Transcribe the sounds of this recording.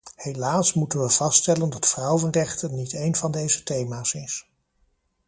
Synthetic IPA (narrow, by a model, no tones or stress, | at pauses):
hejlaːsmutənʋəv̥ɑstɛləndɑtfrʌwənrɛχtənitejnvɑndejzətejmaːsɪs